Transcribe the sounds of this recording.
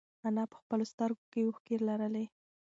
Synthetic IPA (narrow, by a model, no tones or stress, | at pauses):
anɑpə̥xpəlost̪əɾɡokejwoxkeɾlaɾəle